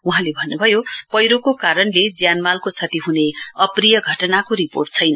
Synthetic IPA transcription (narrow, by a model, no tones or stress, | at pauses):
uɦãlebʱʌnːubʱʌjopʌjɾokokaɾʌnled͡zjanmalkot͡sʰʌt̪iɦuneʌprijʌɡʱʌʈʌnakoɾipo̰rʈ̚t͡sʰʌjnʌ